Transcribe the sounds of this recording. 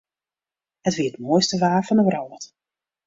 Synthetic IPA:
hətʋiəətmoəjstəʋaːfɔnəʋrɔwt

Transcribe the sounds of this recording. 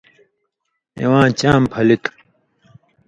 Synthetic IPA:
ḛwãːt͡ɕãːmpʰɐlit̪

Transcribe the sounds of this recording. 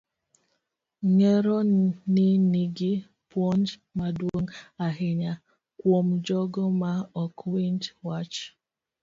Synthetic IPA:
ŋɛɾɔnɪniɡi | pwɔndmadwoŋaɦɪɲa | kwomd͡ʒɔɡɔmaɔkwintwat͡ʃ

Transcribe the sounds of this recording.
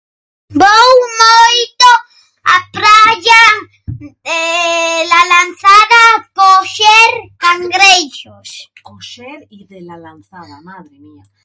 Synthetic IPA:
bowmojt̪o | apɾaʎa | elalanθaðapoʃeɾkaŋɡɾejʃospoʃeɾiðelalanθaðamaðɾemia

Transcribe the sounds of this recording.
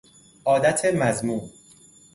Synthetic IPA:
ʔɒːd̪æt̪ʰemæzmuːn

